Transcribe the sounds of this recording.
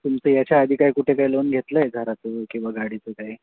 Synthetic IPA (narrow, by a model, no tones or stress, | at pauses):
t̪umt͡səːjat͡ɕjaːd̪ʱiːkajkuʈʰekailonɡʱet̪ləjeɡʱəɾat͡səkĩw̃ʋaɡaɽit͡səkaɦi